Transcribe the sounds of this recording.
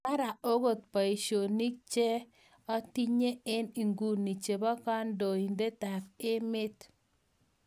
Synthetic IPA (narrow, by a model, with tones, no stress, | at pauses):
ka˦ɾa˨o˦ɡo˨t̚pa˨i˨ʃo˨ni˦k̚t͡ʃe˦ | ɔ˦ti˦ɲe˦ɪ˦ni˨ŋɡu˦˨ni˨t͡ʃe˨bɔ˦ka˦ndo˨i˨nde˦ta˨kɪ˦mɪ˦t